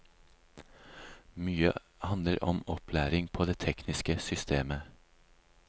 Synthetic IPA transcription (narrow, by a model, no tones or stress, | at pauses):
myːə̰ | hɑnəɾʔɔmɔpʰlæːɾɪŋpʰoːd̪eːt̪ʰɛknɪskəsʏst̪ʰeːmə